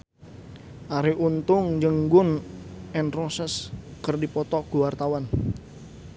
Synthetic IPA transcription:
ʔaɾiʔunt̪ʊŋd͡ʒəŋɡʊnɛnrosɛskərdipɔt̪ɔɡ̥uwart̪awan

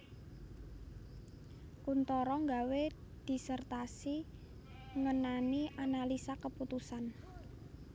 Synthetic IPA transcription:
kunt̪ɔɾɔŋɡawed̪̥i̤sərt̪asi | ŋənaniʔanalisakəput̪usan

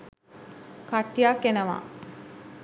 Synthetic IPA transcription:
kaʈːjaːkːenəʋa̰ː

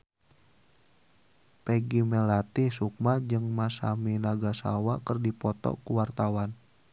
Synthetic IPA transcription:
pɛɡimɛlat̪ihsuk̚mad͡ʒɨŋmasa̰minaɡasa̰wakərdipɔt̪ɔ̰kuwart̪awan

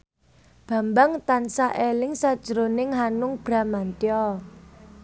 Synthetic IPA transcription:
b̥ä̤mbaŋt̪ansaʔelɪŋsad̥ʒ̥əɾonɪŋɦanʊŋb̥ɾa̤mant̪jɔ

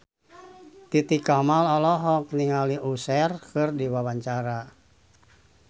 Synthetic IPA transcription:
t̪it̪ikamalɔlɔɦɔk̚niŋaliʔusɛrkɨrdiwawaɲt͡ʃaɾa

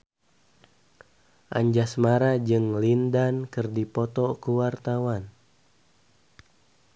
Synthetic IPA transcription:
ʔa̰ɲd͡ʒasmaɾad͡ʒɨŋlindankɨrdipɔt̪ɔkuwart̪awan

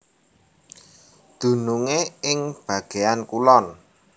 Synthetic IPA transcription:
d̪̥ṳnuŋeɪŋb̥ä̤ɡ̥e̤ankulɔn

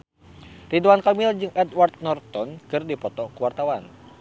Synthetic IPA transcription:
riduankamild͡ʒɨŋɛt̪wart̪̚nɔrt̪ɔnkɨrdipɔt̪ɔkuwart̪awan

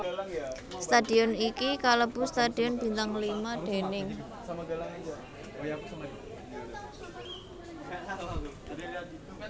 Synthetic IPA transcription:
st̪adi̤ɔnikikaləb̥ust̪ad̥i̤ɔnb̥i̤nt̪aŋlimad̥e̤nɪŋ | samaɡalaŋd͡ʒa | ojapsama

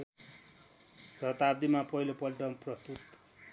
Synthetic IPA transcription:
sʌt̪abd̪imapʌɦilopʌlʈʌmprʌst̪ut̪

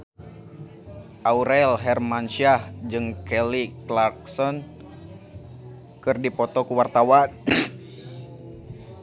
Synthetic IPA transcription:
ʔauɾɛlɦɛrmanʃiahd͡ʒɨŋkɛliklarksɔn | kɨrdipɔt̪ɔkuwart̪awan

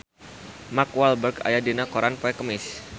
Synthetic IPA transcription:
makwalbərɡa̰jadinakoɾanpɔɛkəmɪs

